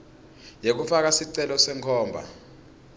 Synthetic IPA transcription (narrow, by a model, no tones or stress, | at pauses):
jek̬ufak̬asiǀɛlɔsɛŋkʰɔːmbʱa̰